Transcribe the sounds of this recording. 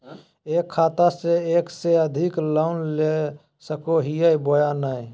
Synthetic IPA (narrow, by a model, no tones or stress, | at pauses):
ekkʰːat̪aseekseəd̪ʱiklaʊnle | səkoɦijəjbojanaj